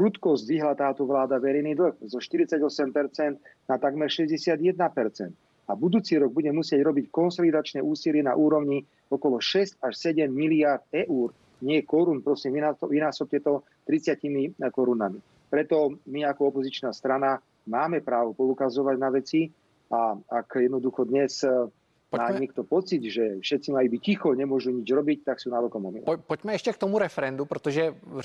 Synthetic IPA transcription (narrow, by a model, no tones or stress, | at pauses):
kɾut̪kɔzɟʋiɦlat̪aːt̪ɔʋlaːd̪aʋɛɾɛjnid̪l̩ɣzɔʃt̪iɾit͡saɟɔsɛmpɛɾt͡sɛnd̪ | nat̪aɡmɛɾʃɛzɟɛsɪad̪jɛd̪napɛɾt͡sɛ̰nt̪ | abud̪uːt͡siɾɔɡ̚buɟɛmusɪɛɟɾɔbickɔnsɔlid̪at͡ʃnɛʔuːsilɪɛna̰ʔuːɾɔʊɲi | ɔkɔlɔʃɛscaʃsɛɟɛmːiliaɾd̪̚ɛʔuːɾ | ɲɪɛjɛkɔɾunpɾɔsimʋinaʋinaːsɔp̚cɛt̪ɔ | t̪ɾit͡sɪacimikɔɾunami | pɾɛt̪ɔmiakɔɔpɔzit͡ʃnast̪ɾana | maːmɛpɾaːʋɔpɔukazɔʋaɟnaʋɛt͡si | aakjɛd̪nɔd̪uxɔd̪ɲɛs | maːɲɛk̚t̪ɔpɔt͡sit̪ʒɛfʃɛt̪t͡simajubic̚cixɔɲɛmʊɔʒuɲid͡ʒɾɔbic̚t̪aksuːnaʋɔlkɔmɔmḭlɔ̰pɔcmɛɛʃcɛk̚t̪ɔmuɾɛfɛɾɛnd̪upɾɛt̪ɔʒɛ